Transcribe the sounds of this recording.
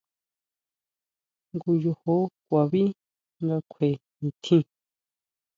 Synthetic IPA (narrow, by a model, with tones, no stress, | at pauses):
ŋɡu˧jo˧ho˦kʷa˨βi˦ | ŋɡa˧kʷʰe˨ | ĩ˧˨t̪ʰĩ˦